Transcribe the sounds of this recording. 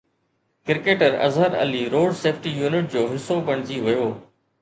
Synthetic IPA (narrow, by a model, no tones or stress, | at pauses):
kɪɾkeːʈəɾɐ̰zɦəɾɐ̰liːɾoːɖseːfʰʈijuːnɪʈ̚d͡ʑoːɦɪsːopɐɽ̃d͡ʑiʋɐjoː